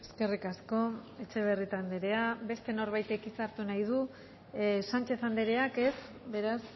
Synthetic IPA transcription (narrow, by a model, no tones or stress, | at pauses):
e̞ske̞rikasko̞e̞t͡ʃe̞β̞e̞rit̪and̪eɾe̞aβe̞st̪e̞no̞ɾβajt̪e̞kit͡saɾt̪unajð̞u | sant͡ʃe̞θand̪e̞ɾe̞ake̞s | βe̞ɾas